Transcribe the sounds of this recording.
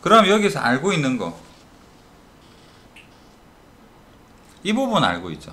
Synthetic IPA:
kɯɾʌnɦamjʌɡiesʰʌaɭɡoinːɯnɡʌ̰ | ibubuna̰ɭɡoit̚t͡ɕ͈o

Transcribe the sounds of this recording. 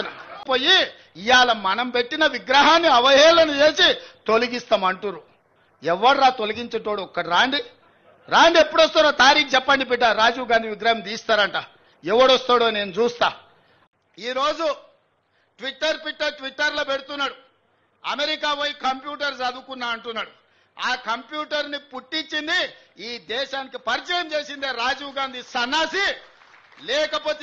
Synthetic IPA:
npoːji | ijaːlɐmɐnɐmpe̞ʈːinɐʋiɡɾɐɦaːnːiɐʋɐjɛːlɐnut͡ʃe̞ːsit̪o̞liɡist̪aːmɐɳʈuɾu | ɛʋːɐɽɾaːt̪o̞liɡiɲt͡ʃɐʈoːɽuɔkːɐɽiɾaːɳɖi | ɾaːɳɖiepːuɽost̪aːɾaːt̪aːɾiːk̚d͡ʒɛpːɐɳɖip̬ɛʈ̬ːaːɾaːd͡ʒuːɡaːnd̪iʋiɡɾaːɦɐmt̪iːst̪aːɾɐɳʈaː | ɛʋːɐɽost̪aːɽoːne̞ːnut͡ʃuːst̪aː | iːɾo̞ːd͡ʒu | ʈʋiʈːɐɾpiʈːɐʈʋiʈːɐɾloːpeɽut̪unːaːɽu | ɐmeɾikaːʋɐjikɐmpjuːʈɐɾsɐd̪ukunːaːɐɳʈunːaːɽu | aːkɐmpjuːʈɐɾnipuʈːiɲt͡ʃːind̪iiːd̪ɛːʃaːnikipɐɾit͡ʃɐjɐmt͡ʃeːsind̪eːɾaːd͡ʒuːɡaːnd̪ʱisɐnːaːsi | lɛːkɐpo̞ːt̪

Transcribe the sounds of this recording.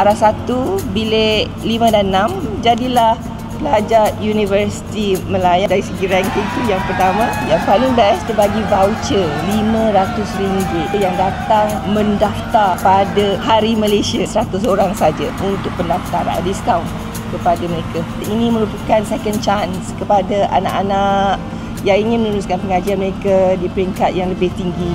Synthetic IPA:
ʔaɾahsat̪ubile | limãdannãmd͡ʒadilah | pəlad͡ʒajunĩvəɾsi̥t̪iməlajadaɾisəɡiɾaŋkit̪ujaŋpərt̪amãjaŋpalɪŋbɛst̪əbaɡivawt͡ʃəlimãɾat̪ʊsɾiŋbʊt̪jaŋdat̪aŋmə̃ndaft̪arpadahaɾimalesiasəɾat̪ʊsoɾaŋsad͡ʒaunt̪ʊk̚pəndaft̪aɾa̰diskawn | kəpadaməɾeka | inĩmə̃ɾupakansɛkənt͡ʃanskəpadaʔa̰na̰ʔanaʔ | jainĩmənuɾuskanpəŋad͡ʒianməɾekadipəɾiŋkat̪̚jaŋləbɪht̪iŋɡi

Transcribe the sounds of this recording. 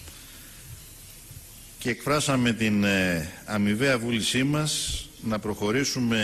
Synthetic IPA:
ce̞ːkfɾɐsɐme̞t̪in | ɐmive̞ɐvulisimɐsnɐpɾo̞xo̞ɾisume̞

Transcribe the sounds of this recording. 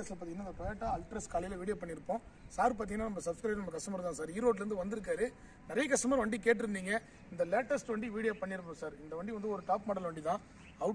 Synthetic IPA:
ɐslɐp̬aːt̪iŋɐnːaɪnd̪ɐpɾɐːjaːʈːaɐlʈɾɐskaːlɪjlɐʋiːɽɪjapɐɳːɪɾɯpːõː | saːɾp̬aːt̪̬iŋɡɐnːaːnɐmbɐsɐbskɾɐɪnɐmːɐkɐʂʈɐmɐɾt̪ãːsaːɾiːɾoːʈ̬lɐɾɯnd̪ɯʋɐnd̪ɯɾɯk̬ːaːɾɯ | nɪɾɐjɐkɐsʈɐmaːɾʋɐɳɖikeːʈ̬ːɪɾɯnd̪iːŋɡɐ | ɪnd̪ɐleːʈːɐsʈʋɐɳɖiʋiːɽɪjapɐɳːɪɾɯpːõːsaːɾɪnd̪ɐʋɐɳɖiʋɐnd̪ɯɔɾɯʈaːpmɔːɽɐlʋɐɳɖit̪ãː | ɐʊ

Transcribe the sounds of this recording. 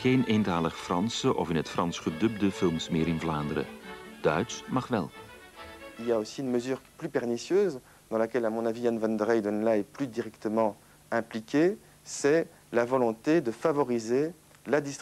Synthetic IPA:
χeːnentaːləχfrɑnsəʔɔfɪnɦətfrɑnsχədɵb̚dəfɪlˠmsmɪːɾɪnvlaːnd̪əɾə̰d̥œ̰ɥsmɑχʋɛ̰lˠ | ilijaosiynməzyːʁplypɛʁnisjøːz | d̪ɑ̃lakʲɛlamɔ̃navianvɑ̃nd̪ʁɛjd̪ənlaɛplyd̪iʁɛkt̪əmɑ̃ | ɛ̃plikʲʰe | sɛ | lavɔlɔ̃t̪ed̪əfavɔʁize | lad̪ist̪

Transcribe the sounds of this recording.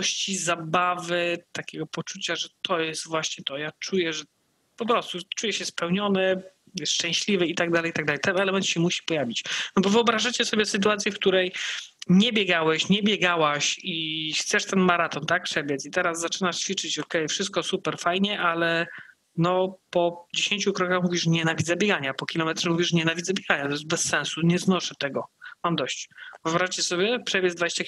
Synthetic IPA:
ɕt͡ɕizabavɘt̪akʲɛɡɔpɔt͡ʂut͡ɕaʐɛt̪ʰɔjɛst̪vwaɕɲɛt̪ɔjat͡ʂujɛʐɛ | pɔpɾɔst̪ut͡ʂujɛɕɛspɛwɲɔnɛ | jɛʂt͡ʂɛ̃ɕlʲivɛit̪aɡd̪alɛjit̪aɡ̚d̪alɛjt̪ɛnɛlɛmɛnt̪ɕɛmuɕi̥pɔjavʲit͡ɕnɔbɔvɨɔbɾaʐat͡ɕɛsɔbʲjɛsɨt̪uat̪sʲjɛfk̚t̪uɾɛjɲɛbʲjɛɡawɛɕɲɛbʲjɛɡawaɕixt̪sɛʂt̪ɛnmaɾat̪ɔnt̪ak̚pʂɛbʲjɛt̪sit̪ɛɾazzːat͡ʂɘnaʂt͡ɕfʲit͡ʂɘt͡ɕɔkɛjfʂɘst̪̚kɔsupɛɾfajɲɛʔalɛ | nɔpɔd͡ʑeɕeɲt͡ɕukɾɔkaxmuvʲiʂɲɛnavʲid̪zɛbʲjɛɡaɲapɔkʲilɔmɛt̪ʂɛmuvʲiʂɲɛnavʲid̪zabʲjɛɡaɲat̪ɔjɛzt̪̚bɛsːɛ̃nsuɲɛznɔʂɘt̪ɛɡɔmamd̪ɔɕt͡ɕvɨɔbɾaʐat͡ɕɛsɔbʲjɛpʂɛbʲjɛd̪vad͡ʑeɕt͡ɕa

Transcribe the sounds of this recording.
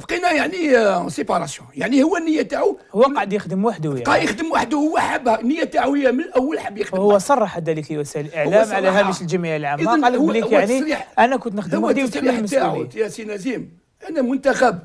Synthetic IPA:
bqinæjaʕnisepɑɾˤɑsjɔ̃jaʕnihʊwːænːəjːæt̪aʕuhwːæɑʕəd̪jəxd̪əmwaħəd̪ujqɑjəxd̪əmwaħəd̪uhʊwːæħabːhænːəjːæt̪aʕuəjæmənʔəwːəlħabːjəxdəhʊwːæsˤɑrˤːɑħad̪ælikiwæsæələlʔəʕæmʕalæhæməʃəlʒæmijaəlʕamːəlːlijaʕniɾiħʔænækʊnt̪nəxd̪əwad̪usɾməst̪aʕut̪jæsinæzim | ʔænæmʊnt̪æxæb̚

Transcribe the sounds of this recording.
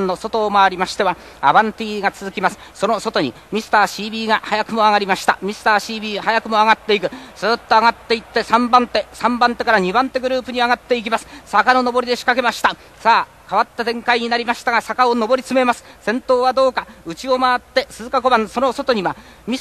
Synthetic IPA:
nːo̞so̞t̪o̞ːmaːɾʲimaɕi̥t̪e̞βa | a̰bãnt̪iɡat͡sɨzɨkʲimasɨ̥so̞no̞so̞t̪o̞ɲ̟ḭ | mʲisɨ̥t̪aːɕiːbʲiːɡahajakɯ̟mo̞aɡaɾʲimaɕi̥t̪amʲisɨ̥t̪aːɕiːbʲiːahajakɯ̟mo̞aɡat̪ːe̞ikɯ̟z̥ɨːt̪ːo̞aɡat̪ːe̞it̪ːe̞sãmbãnt̪e̞sãmbãnt̪e̞kaɾaɲ̟ibãnt̪e̞ɡɯ̟ɾɯ̟ːpɯ̟ɲ̟iaɡat̪ːe̞ik̬ʲimasɨ̥sakano̞no̞bo̞ɾʲid̪e̞ɕi̥kake̞maɕi̥t̪a | saː | kaβat̪ːad̪ẽ̞ŋkaiɲ̟inaɾʲimaɕi̥t̪aɡasakaono̞bo̞ɾʲit͡sɨmemasɨ̥sẽ̞nt̪o̞ːβad̪o̞ːkaɯ̟t͡ɕio̞maat̪ːe̞sɨzɨkako̞bãnso̞no̞so̞t̪o̞ɲ̟iβa | mʲi

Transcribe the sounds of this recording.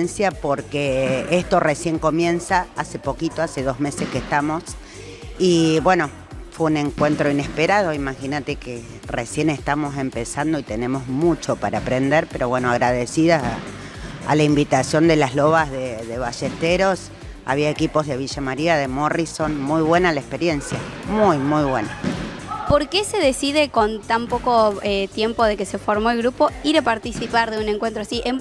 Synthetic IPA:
nsjapo̞ɾkeest̪o̞resje̞ŋko̞mjẽ̞nsaase̞po̞kit̪oaseð̞o̞zme̞sehkeht̪amo̞s | iβwe̞no̞ | fweune̞ŋkwe̞nt̪ɾo̞ine̞speɾað̞o̞imaxinat̪eke | resje̞ne̞st̪amo̞se̞mpesand̪oit̪e̞nẽ̞mo̞zmũt͡ʃo̞paɾaːpɾend̪eɾpe̞ɾo̞βwe̞noaɣɾað̞esiða | a̰laimbit̪asjo̞nd̪elaɦloβazðeðeβaʃeht̪eɾo̞s | a̰βiae̞kipo̞zðe̞β̞iʒamaɾiaðe̞moriso̞nmujβwenalaehpe̞ɾje̞nsjamujmujβwenapo̞ɾkeseðesiðeko̞nt̪ampoko̞et̪je̞mpo̞ð̞ekesefo̞ɾmo̞elɣɾupo̞iɾapaɾt̪isipaɾðeuneŋkwent̪ɾoasiʔem

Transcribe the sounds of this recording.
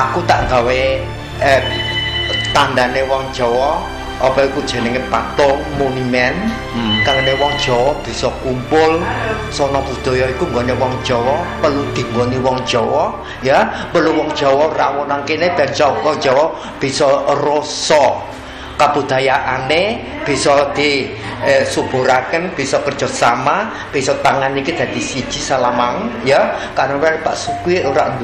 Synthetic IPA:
akut̪aʔŋɡawe | t̪and̪anewɔŋd̥ʒ̥ɔwɔ | ɔpɔikud̥ʒ̥ɛ̤nəŋepat̪ɔŋmonimɛn | kaŋnewɔŋd̥ʒ̥ɔwɔhb̥i̤sɔkumpʊl | sɔnɔbud̪̥ɔ̤jɔikuŋɡɔnewɔŋd̥ʒ̥ɔwɔpəlud̪̥i̤ŋɡoniwɔŋd̥ʒ̥ɔwɔ | japəluwɔŋd̥ʒ̥ɔ̤wɔhrawɔnaŋkeneb̥at͡ʃɔwɔŋ̥d͡ʒ̥ɔwɔ | b̥i̤sɔrosɔ | kab̥ṳd̪̥a̤jaʔane | b̥i̤sɔd̪̥i̤ | sub̥ṳɾakənb̥i̤sɔpərdd͡ʒ̥ɔ̤t̪̚sama | b̥i̤sɔt̪aŋanikid̪̥a̤d̪isid̥ʒ̥i̤salamaŋjakaɾəŋwarpa̰ʔsukwiʔoɾaʔnd̪

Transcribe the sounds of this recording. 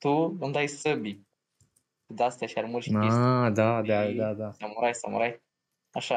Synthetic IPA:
t̪uund̪ajsəbi | d̪ast̪aʃaɾmulʃaed̪ad̪ad̪ad̪aamuɾajsa̰mṵɾaj | aʃa

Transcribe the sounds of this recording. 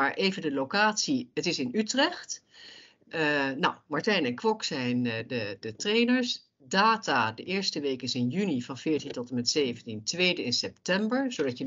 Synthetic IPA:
aːɹʔejvəndəlowkaːtsiətɪsɪnytrɛχt | nawmaɹtɛjnɛnkʋɔksɛjndədətrejnəɹs | daːtaːdəʔɪːɹstəʋejkɪsɪnjynivɑnvɪːɹtintɔtəmɛtsejvəntintʋejdəɪnsɛp̚tɛmbəɹz̥odɑtə

